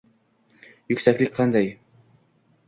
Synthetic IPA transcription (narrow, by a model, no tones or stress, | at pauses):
jɵ̆ksæklɘk̚qɑnd̪ɑj